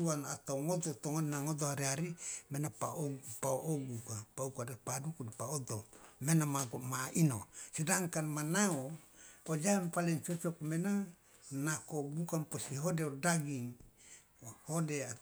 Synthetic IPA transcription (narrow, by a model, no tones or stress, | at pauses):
uanat̪awŋot̪ot̪oŋoninaŋot̪ohaɾiaɾimenapaoɡpaoʔoɡukapaukadepadukudipaot̪omenamaɡmaino̰sidaŋkanmanaood͡ʒampalent͡ʃot͡ʃokmena | nakoɡukamposiɦodeodaɡiŋ | hodea